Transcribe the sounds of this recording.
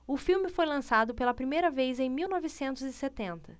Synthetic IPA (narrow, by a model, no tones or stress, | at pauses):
ʊfiwmɪfojlɐ̃sad̪ʊpelɐpɾimejɾɐvezẽj̃miwnɔvɪsẽnt̪ʊzɪset̪ẽnt̪ɐ